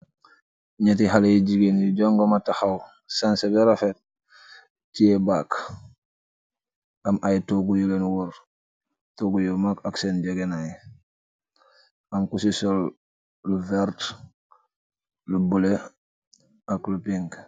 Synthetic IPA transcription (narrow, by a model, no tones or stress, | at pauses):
ɲet̬iɦalejiɟiɡenjiɟoŋɡomataxaw | sansebeɾafet̚ | tijebak | ʔamʔajtoɡujulenwuɾ | toɡujumakaksenɟeɡenaj | ʔamkusisol | luvɛɾt | lubule | aklupiŋɡ